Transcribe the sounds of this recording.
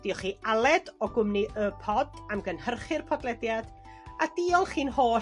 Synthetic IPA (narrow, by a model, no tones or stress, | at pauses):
d̥iːɔχiːalˠɛdɔɡʊmniʔəːpʰɔdamɡənhərχɪrpʰɔdlɛdjad̥ | ad̥iːɔlˠχiːnhoː